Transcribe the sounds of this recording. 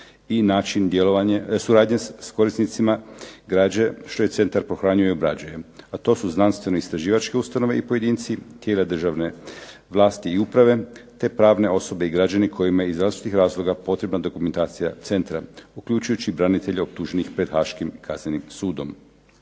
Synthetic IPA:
inaːt͡ʃind̪jeloʋaɲesuɾaːd̪ɲesko̞ɾisnit̪simaɡɾaːd͡ʑeʃt̪o̞je̞t̪se̞nt̪aɾpɾo̞xɾaːɲujojobɾa̰d͡ʑajeat̪o̞ːsuznanst̪ʋe̞no̞ist̪ɾaʒiːʋat͡ʃke̞ust̪ano̞ʋe̞ipo̞je̞d̪iːnt̪sit̪jeːlad̪r̩ʒaʋne̞ | ʋlˠaːst̪iːupɾaʋe̞t̪e̞pɾaːʋne̞o̞so̞be̞iɡɾad͡ʑanikʰo̞jimajeizɾaːzt͡ʃi̥t̪ixɾaːzlˠo̞ɡapo̞t̪ɾe̞bnad̪o̞kument̪aːt̪sijat̪se̞nt̪ɾaukʎut͡ʃujut͡ɕibɾanit̪e̞ʎeop̚t̪uʒe̞nixpɾe̞d̪xaːʃkimkʰaznenimsuːd̪o̞m

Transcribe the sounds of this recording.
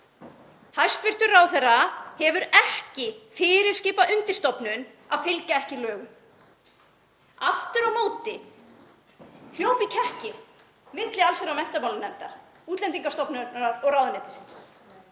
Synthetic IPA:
hajst̪fɪr̥t̪ʏɾawθɛrːahɛvʏɾɛhcɪfɪːɾɪɾscɪːpaʔʏnt̪ɪst̪ɔpnʏn | aðfɪlkaɛhcɪlœːɣʏm | aft̪ʏɾawmoːwt̪ɪ | h̪jowpicʰɛhcɪ | mɪt̪lɪalsɛɾawmɛn̥t̪apmawlɪnːɛmt̪aɾ̥ | uːt̪lɛnt̪iŋkaɾst̪ɔpnʏaɾɔɣraːwðanɛːt̪ɪ̥sɪns

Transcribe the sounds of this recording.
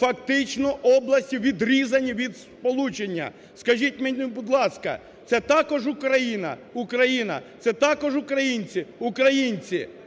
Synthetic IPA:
fɐkt̪ɪt͡ʃnɔʔɔblˠɐsʲtʲiʋʲid̪ɾʲizɐnʲiʋʲid̪spɔlˠut͡ʃenʲːɐ̰ | skɐʒitʲmɛnʲubʊd̪lˠɑskɐ̰ | t̪sɛt̪ɑkɔʒʊkɾɐjinɐ̰ukɾɐjinɐ̰t̪sɛt̪ɑkɔʒʊkɾɐjinʲt͡sʲiʊkɾɐjinʲt͡sʲi

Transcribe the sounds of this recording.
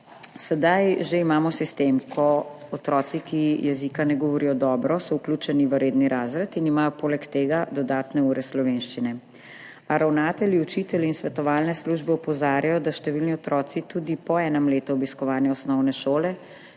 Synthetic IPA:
sɛd̪ajʒeimaːmɔsist̪emkʰɔːt̪ɾɔːsikijɛzikanɛɡɔʋɔɾijɔd̪ɔːbɾɔsɔukluːt͡ʃɛniʋəɾeːd̪niɾaːzɾat̪inimaːjɔpoːlɛkt̪eːɡad̪ɔd̪aːt̪nɛuːɾɛslɔʋenʃt͡ʃinɛ | aɾawnaːt̪ɛliut͡ʃit̪ɛlinsʋɛt̪ɔʋaːlnɛsluːʒbɛɔpɔzaːɾjajɔd̪aʃt̪ɛʋilniɔt̪ɾɔːt̪sit̪uːd̪ipɔɛːnɔmleːt̪uɔbiskɔʋaːnjɛɔsnɔwnɛʃoːlɛ

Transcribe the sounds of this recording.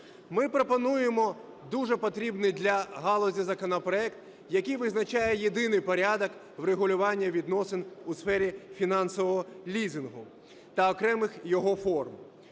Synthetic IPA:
mɪpɾɔpɔnujemɔ | d̪uʐɛpɔt̪ɾʲibnɪjd̪lʲɐɦɑlˠɔzʲizɐkɔnɐpɾɔɛkt̪ | jɐkɨjʋɪznɐt͡ʃɑjɛjed̪ɪnɪjpɔɾʲad̪ɔk | ʋreɦʊlʲʊʋɑnʲːɐʋʲid̪nɔsɪnusfɛɾʲifʲinɑnsɔʋɔɦɔlʲizɪnɦʊ | t̪ɐɔkɾɛmɪxjɔɦɔfɔrm

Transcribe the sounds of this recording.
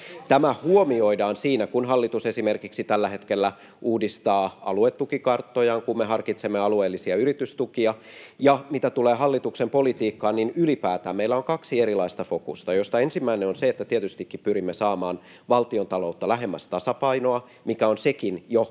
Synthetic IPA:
t̪æmæhuomioidɑːnsiːnækunɦɑlːit̪usesimerkiksit̪ælːæɦe̞t̪kelːæ | ʔuːdist̪ɑːɑ̰luet̪ːukikɑrt̪ːojɑŋkummeɦɑrkit̪semːeɑlueːlːisiɑyrit̪yst̪ukiɑ | jɑmit̪æt̪uleːɦɑlːit̪uksempolit̪iːkːɑːnninylipæːt̪æːmmeilːæoŋkɑksieɾilɑist̪ɑfokṵst̪ɑjo̞st̪ɑensimːæineonseet̪ːæt̪iet̪yst̪ikːippyɾimːesɑːmɑːn | ʋɑlt̪iont̪ɑlout̪ːɑlæɦemːæst̪ɑsɑpɑinoɑ | mikæonsekinjo

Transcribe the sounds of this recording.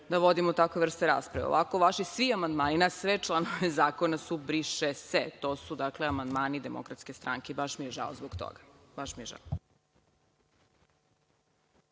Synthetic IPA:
d̪aʋo̞d̪imout̪akʋeʋr̩st̪eɾa̰ːspɾaʋḛo̰ʔakoʋaʃisʋiamand̪maːninasʋet͡ʃlˠanoʋezaːkonasubɾiʃeset̪osud̪akleamand̪maːnid̪emo̰kɾat̪skest̪ɾʔaŋkeibaʃmijeʒa̰ozboɡt̪o̰ɡḁbaʃmieʒa̰o

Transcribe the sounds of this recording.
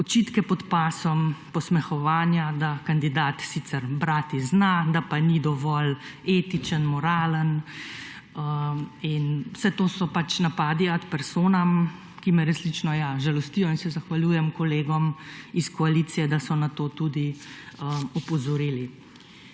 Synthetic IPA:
ɔt͡ʃiːt̪kɛpɔt̪paːsɔmpɔsmɛxɔʋaːnjad̪akand̪id̪aːt̪sit̪sɛɾbɾaːt̪iznad̪apanid̪ɔʋɔleːt̪it͡ʃənmɔɾaːlən | əinwsɛt̪oːsɔpat͡ʃnapaːd̪iat̪pɛɾsoːnam | kimɛɾɐslit͡ʃnɔjaʒalɔst̪iːjɔinsɛzaxʋaljuːjɛmkɔleːɡɔmiskɔalit̪sijɛd̪asɔnat̪oːt̪ud̪iəupɔzɔɾiːli

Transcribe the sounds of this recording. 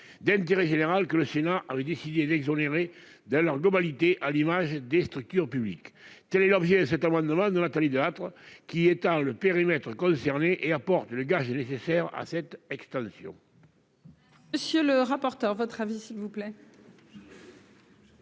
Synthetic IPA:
d̪ɛ̃nt̪eʁeʒeneʁalkələsenaʔavɛd̪esid̪ed̪ɛɡzoneʁe | d̪ɑ̃lœʁɡlɔbalit̪eʔalimaʒəd̪est̪ʁyk̚t̪yʁpyblḭkt̪ɛlɛlɔbʒɛd̪əsɛt̪amɑ̃d̪əmɑ̃d̪ənat̪alid̪əat̪χəkʲiet̪ɑ̃ləpeʁimɛt̪χəkɔ̃sɛʁneʔeapɔʁt̪ələɡaʒənesesɛʁa̰sɛt̪ɛkst̪ɑ̃sjɔ̰̃ | məsjøləʁapɔʁt̪œʁvɔt̪χavisilvuplɛ

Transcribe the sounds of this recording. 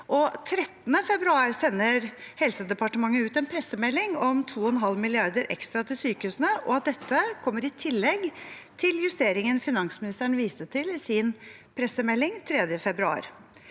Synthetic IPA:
ʔɔt̪ʰɾɛt̪ːnəfɛbɾʉɑːɾsɛnːəɾhɛlsəd̪ɛpɑʈəmɑŋːəʉːt̪ɛnpʰɾɛsəmɛlːɪŋɔmt̪ʰuːɔɛnɦɑlmɪlɪɑɾd̪əɾʔɛ̰kst̪ɾɑt̪ʰɪlsyːkəʉːsnəʔɔɑt̪̚d̪ɛt̪ʰːəkʰɔmːəɾɪt̪ʰɪlːɛɡt̪ʰɪljʉst̪eːɾɪŋənfɪnɑŋsmɪnɪst̪æɳ̩ʋiːsət̪ʰɪlɪsɪn | pʰɾɛsəmɛlːɪŋt̪ʰɾɛd̪jəfɛbɾʉɑ̰ːɾ

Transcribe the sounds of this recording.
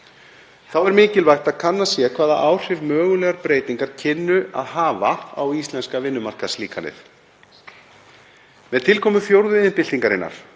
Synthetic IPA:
θawɛɾmɪːcɪlvajxt̪aðkʰanːasjɛkʰvaːðaʔaːwr̥ɪvmœːɣʏlɛɣaɾpɾeːjt̪iŋkaɾ̥cʰɪnːʏa̰ðɦaːvaa̰wist̪lɛnskavɪnːʏmar̥kasliːkʰanɪ̰θ | mɛðt̪ʰɪlkʰɔːmʏθjowɾðʏɪnpɪlt̪iŋkaɾɪ̰nːa̰ɾ̥

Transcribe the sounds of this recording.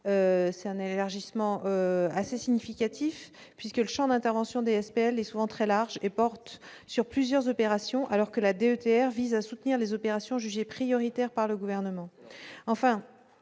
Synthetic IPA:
øsɛt̪ɛ̃nelaʁʒismɑ̃ʔøasesiɲifikʲat̪ʰif | pɥiskələʃɑ̃d̪ɛ̃t̪ɛʁvɑ̃sjɔ̃d̪eɛspeɛlɛsuvɑ̃t̪χɛlaʁʒepɔʁt̪syʁplyzjœʁzɔpeʁasjɔ̃ʔalɔʁkəlad̪eøt̪eɛʁvizasut̪niʁlezɔpeʁasjɔ̃ʒyʒepχijɔʁit̪ɛʁpaʁləɡuvɛʁnəmɑ̃ɑ̃fɛ̃

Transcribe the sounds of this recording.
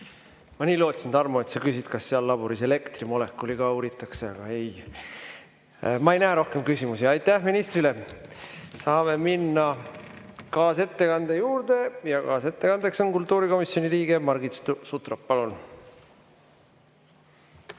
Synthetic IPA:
mɑniːlo̞ːt̪ʲsind̪̥ɑrmuet̪sɑkysit̪kɑsːeɑlːɑbuɾise̞le̞kt̪rimo̞le̞kːuliɡɑuːɾit̪ːˑɑkseɑɡ̥ɑ̰e̞j | mɑe̞jnæːɾo̞hke̞mkysimusiɑjt̪ːˑæhminist̪ɾile̞ | sɑːme̞minːɑ | kɑːse̞t̪ːe̞kɑnd̪ejuːɾd̪̥e̞jɑkɑːse̞t̪ːe̞kɑnd̪̥e̞kso̞nkult̪ːˑuːɾiko̞misjo̞niɾiːɡ̥e̞mɑrɡit̪st̪sut̪ropːɑlun

